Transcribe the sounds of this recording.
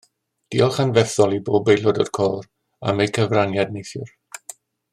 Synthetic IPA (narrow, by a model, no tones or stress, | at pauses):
d̥iːɔlˠχanvɛθɔlˠiboːbejlˠɔdɔ̰d̥kʰɔːr | a̰mejkʰəvranjadnejθjʊr